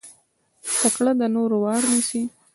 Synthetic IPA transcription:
takɽad̪ənoɾowɑɽnisi

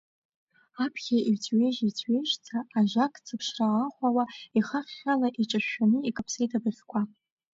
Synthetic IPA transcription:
apʰχʲait͡sʰʼɥeʒit͡sʰʼɥeʒt͡sʰaːʒakʼt͡sʰɨpʰʂraːχʷawaiχaχʲːalaʔiʈ͡ʂʼaʃanɨikʼapʰsejdʰʼabɨχʲkʷʰa

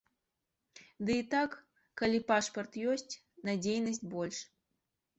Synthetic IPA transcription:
d̪ɨit̪akː | alʲipaʂpɐrt̪jɔsʲt͡sʲ | nad͡zʲejnɐsʲt͡sʲbɔlʲʂ

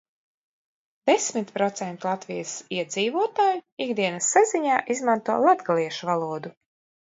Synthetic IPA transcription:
d̪̥esmit̪ʲpɾɔt̪sɛnt̪ulˠat̪vijəsiɛd̪ziːvuɔt̪aːjuiɡd̪iɛnasːaziɲaːʔizmant̪uɔlˠad̪ɡalˠiɛʃuvalˠuɔd̪u

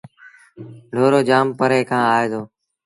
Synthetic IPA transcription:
ɖʱoːɾoːd͡ʒaːmpəɾeːkʰãːaːeːzoː

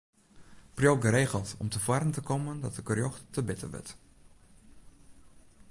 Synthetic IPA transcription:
prjoɡəɾeːɣəlˠtɔ̰mtəfwarəntəkoməndɔtəɡərjoxtəbɪtə̰ʋə̰t

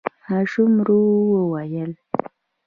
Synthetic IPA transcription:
haʂumɾuwəwajəl

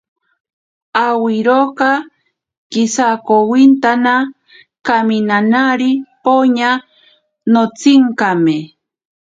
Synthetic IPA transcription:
awɪɾokɑ | kɪsakowɪnt̪ana | kamɪnanaɾɪpoɲa | not͡sɪŋkamɪ

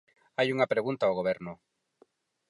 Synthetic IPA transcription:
ajuŋapɾeɣunt̪aoɣ̞oβ̞eɾno

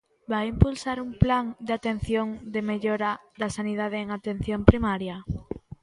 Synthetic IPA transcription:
bajimpulsaɾumplaŋd̪at̪en̟θjoŋd̪emeʎoɾɐðɐsaniðað̞eeŋat̪ẽn̟θjompɾimaɾjɐ

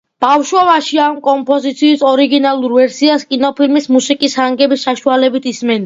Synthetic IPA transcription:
b̥afʃwɔvaʃiamkʼɔmpʼɔzit̪sʰiːsɔɾiɡinalˠuɾvɛɾsiaskʼinɔpʰilmismusikʼishaŋɡɛbisːaʃualɛbit̪ʰismɛn

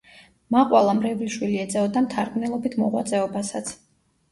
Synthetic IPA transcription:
maqʼwalˠamɾɛvliʃwiliɛd̪zɛɔd̪amt̪ʰaɾɡmnɛlˠɔbit̪ʰmɔ̰ʁwa̰t̪sʼɛɔbasat̪sʰ

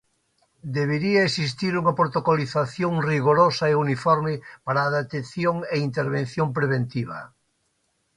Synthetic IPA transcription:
d̪eβeɾiaesist̪iɾuŋɐpɾot̪okoliθaθjoŋriɣoɾosɐeunifɔɾmɪpaɾaːðet̪eθjoŋeint̪eɾβen̟θjompɾeβ̞ent̪iβ̞ɐ̰

